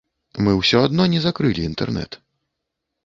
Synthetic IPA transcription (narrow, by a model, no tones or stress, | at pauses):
mɨwsʲɔad̪nɔnʲɛzakɾɨlʲiːnt̪ɛ̰rnɛ̰t̪